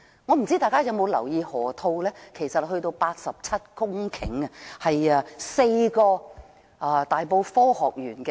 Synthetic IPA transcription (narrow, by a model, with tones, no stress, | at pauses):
ŋɔː˨˧m̩˨˩t͡siː˥t̪aː˨jkaː˥jɐ˨˧wmo˨˧wlɐ̰˨˩wjiː˧hɔː˨˩t̪ʰo˧wlɛː˥kʰe˨˩jsɐ˨t̚hɵ˧ɥt̪o˧wpaː˧t̚sɐ˨p̚t͡sʰɐ˥t̚kʊ˥ŋkʰɪ̰˨˥ŋɐ˧hɐ˨jɐ˧se˧jkɔː˧ | ɐ˧t̪aː˨jpo˧wfɔː˥hɔː˨k̚jyː˨˩nkɛ˧